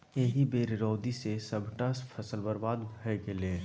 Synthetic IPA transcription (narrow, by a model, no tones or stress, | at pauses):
eɦibeːɾɪɾɔːd̪isesəbʱʈaspʰɐsəlbəɾbaːd̪bʱɡelẽː